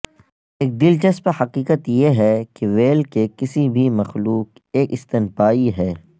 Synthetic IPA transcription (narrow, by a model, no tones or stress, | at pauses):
eːk̚d̪ɪlt͡ʃɐspɐɾhɐqiːkət̪jeɦɛkeʋeːlkekɪsibʱimɐxluːk | eːkɪst̪ɪnpaːiɦɛː